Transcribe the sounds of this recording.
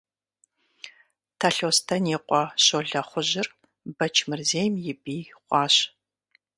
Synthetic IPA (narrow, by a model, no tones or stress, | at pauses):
tʰɐɬoːstʰɐneːqʷʼɔɕoɮɐχʷʊʑɪr | bɐt͡ʃʰmɨrzeːjmjɪbiːχʷɑːɕ